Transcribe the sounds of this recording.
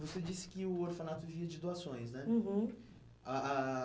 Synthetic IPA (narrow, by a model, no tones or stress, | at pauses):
vosed͡ʒisɪ̥kɪʊoɾfãnat̪ʊviɐd͡ʒɪd̪uasõj̃snɛ̃ɦ | aa